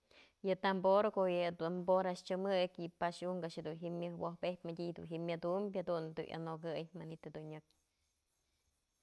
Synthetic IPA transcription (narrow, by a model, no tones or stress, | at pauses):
jɨt̪amboɾokoʔjɨd̪umboɾaʃt͡ʃɨmɨkipaʃuŋɡaʃed̪unɦimːjɨhwohpepʲmadʲid̪ṵnɦimjad̪umbʲhad̪und̪ṵʔa̰noɡɨjmanit̪ɨd̪uɲɨk̚